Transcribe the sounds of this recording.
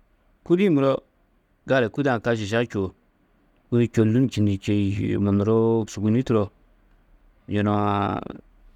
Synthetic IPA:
ku˦di˦˨mu˨ɾo˦ | ɡa˦ɾe˨ku˦da˦˨ka˦ʃi˨ʃa˦kʲo˨ | wu˦i˨kʲo˨lu˦n˨t͡ʃi˨ndi˨t͡ʃe˨mo˨n˨ɾo˦˨su˨ɡu˨˦ni˦tu˦ɾo˨ | jo˨no˨

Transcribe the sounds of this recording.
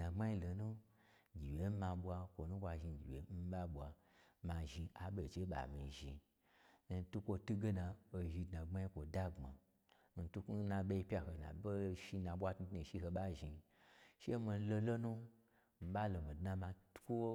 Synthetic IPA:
na˨ŋ͡ma˦i˦lo˨nu˦˨ | ɡʲi˨we˨m̩˦mã˧ɓʷa˧kʷo˨nu˦kʷa˧ʒi˧˨ɡʲḭ˨wḛ˨m̩˦ba˦ɓʷwa˨ | ma˧ʒi˧ʔa˨ɓe˨t͡ʃe˦ɓa̰˨mi˨ʒḭ˧˨ | n˨tu˦kʷo˧tu˦ɡe˦na˨o˧ʒi˧dna˨ŋ͡ma˦i˦kʷo˨da˦ŋ͡ma̰˨ | n̩˨tu˦ku˦na˧ɓe˦˧i˧˦pʲa˧ho˨na̰˨bo˦ʃi˧nã˨ɓwa˦tnu˦tni˨ʃi˦ɦo˧ɓa˦ʒi˧ | ʃe˦mo˧n˦lo˧lo˦nu˦ | m̩˨ba˦lo˨mi˨dna˧ma˧tkʷo˦

